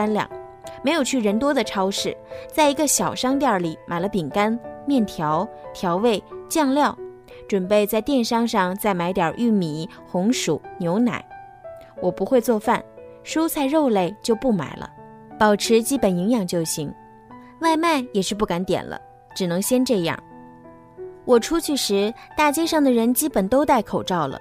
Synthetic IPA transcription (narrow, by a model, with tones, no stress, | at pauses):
a˥nljɑ̰˥˩ŋ | me˧˥ɪjo˨˩ʊt͡ɕʰy˥˩ɻə˧˥nt̪wɔ˥d̪ə˨ʈ͡ʂʰɑ˥ʊʂɻ̩˥˩t͡sa˥˩ɪi˧˥ɡə˥˧ɕjɑ˨˩ʊʂɑ˥ŋt̪̬jɑ˥˩li˨˩˦mʔa˨˩ɪlə˦pi˨˩ŋka˥nmjɛ˥˩nt̪ʰjɑ˧˥ʊt̪ʰjɑ˧˥ʊwe˥˩ɪt͡ɕjɑ˥˧ŋljɑ˥˩ʊ | ʈ͡ʂwə˨˩npe˥˧ɪt͡sa˥˧ɪt̪jɛ˥˩nʂɑ˥ŋʂɑ˥˧ŋt͡sa˥˩ɪma˧˥ɪt̪jɑ̰˞˨˩ʔy˥˩mi˨˩˦ | xʊ˧˥ŋʂu˨˩˦njo˧˥ʊna̰˨˩˦ɪ | wʔɔ˨˩pu˧˥xwe˥˧ɪt͡swɔ˥˧fa˥˩n | ʂu˥ʊt͡sʰa˥˧ɪɻo˥˧ʊle˥˧ɪt͡ɕjo˥˧ʊpu˥˩ma̰˨˩ɪlʔə̰˦ | pɑ˨˩ʊʈ͡ʂʰɻ̩˧˥t͡ɕi˥pə˨˩ni˧˥ŋjɑ˨˩ŋt͡ɕjo˥˩ʊɕi˧˥ŋ | wa˥˧ɪma˥˩ɪjɛ˨˩ʂɻ̩˥˧p̬u˥˩ka˧˥nt̪jɛ̰˨˩nlə̰˦ | ʈ͡ʂɻ̩˨˩nɤ˧˥ŋɕjɛ˥nʈ͡ʂɤ˥˧jɑ̰˥˩ŋ | wʔɔ˨˩ʈ͡ʂʰu˥t͡ɕʰy˥˩ʂɻ̩˧˥t̪a˥˩t͡ɕjɛ˥ʂɑ˥˩ŋd̪ə˩ɻə˧˥nt͡ɕi˥pə˨˩nt̪o˥ʊt̪a˥˩ɪkʰo˨˩ʊʈ͡ʂɑ˥˩ʊlə̰˩